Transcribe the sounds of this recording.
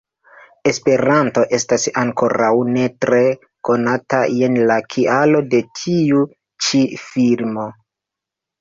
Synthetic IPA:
e̞spe̞ɾanto̞ʔe̞stasaŋko̞ɾawne̞tɾe̞ | ko̞nataje̞nlakʰialo̞de̞tʰiu | t͡ʃifilmo̞

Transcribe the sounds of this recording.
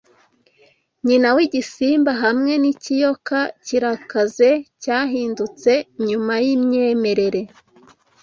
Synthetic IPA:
ɲinawiɟisiːmbaɦamŋe̞nicijo̞kaciɾakaze̞caːɦiːndut͡se̞ɲumajimɲeːme̞ɾe̞ɾe̞

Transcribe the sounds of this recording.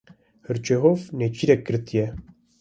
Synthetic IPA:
hɨɾt͡ʃeɦofnet͡ʃʰiːɾɛkːɨɾt̪ijɛ

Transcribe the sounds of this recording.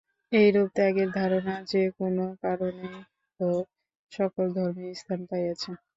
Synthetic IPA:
ejɾub̚t̪ɛɡeɾd̪ʱaɾonad͡ʑekonokaɾone | o | ʃɔkold̪ʱɔɾmist̪ʰanpajat͡ɕʰe

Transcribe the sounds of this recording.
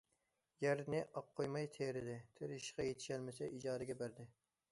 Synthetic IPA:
jæɾnɪʔɑp̚qʰːojmɑjt̪ʰeɾɪd̪ɪt̪ʰeɾiʃqɑjet̪ʰɪ̥ʃɛlmɪsɛʔid͡ʒɑːd̪ɪɡʲɛbæɾd̪ɪ

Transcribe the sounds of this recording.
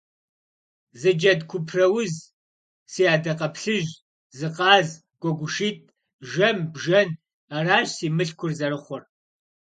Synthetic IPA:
zɨd͡ʒɐdkʷʰʊpʰrɐwʊz | siaːdɐqɐpɬɨʒ | zɨqɑːz | ɡ̥ʷɔɡʷʊʃiːt̚ʰʼ | ʒɐmbʒɐn | araːɕsiːmɨɬkʷʰʊrzɐɾɨχʷɔr

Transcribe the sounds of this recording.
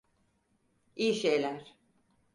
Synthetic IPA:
ijiʃejlʲæɾ̥

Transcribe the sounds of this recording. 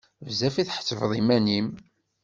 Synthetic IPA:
vzæfiθħə̥t͡sːəvðˤimænim

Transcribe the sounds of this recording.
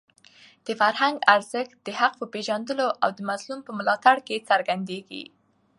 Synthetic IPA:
d̪̥əfaɾɦaŋɡaɾz̥əx̚d̪̥əhaq̚pəpeʒand̪əloʔawd̪əmazlumpəmʊlɑt̪aɽket͡saɾɡand̪eɡḭ

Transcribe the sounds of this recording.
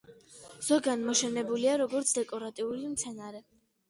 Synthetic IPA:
z̥ɔɡanmɔʃɛnɛbuliaɾɔɡɔɾt̪sʰd̪ɛkʼɔɾat̪ʼiulimt̪sʰɛnaɾɛ

